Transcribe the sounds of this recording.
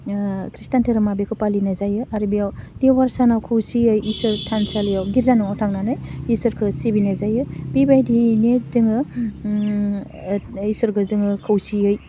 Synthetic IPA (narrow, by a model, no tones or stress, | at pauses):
kɾistantʰeɾɯmabekʰɯpalinazajɯʔaɾibijawdiwaɾsanawkʰɯwsiɯjʔisɯɾtʰansalijawɡiɾzanɯɔtʰaŋnanɯjisɯɾkʰɯsibinazajɯbibajdinezɯŋɯ | isɯɾkɯzɯŋɯkʰɯwsiɯj